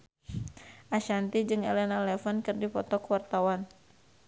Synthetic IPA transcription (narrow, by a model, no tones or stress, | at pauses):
ʔaʃant̪id͡ʒɨŋɛlɛnalɛfɔnkɨrdipɔt̪ɔkwart̪awan